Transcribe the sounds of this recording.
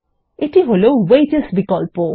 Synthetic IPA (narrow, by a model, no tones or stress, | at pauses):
etiɦoleʊwejd͡ʒesbikɔlpɔ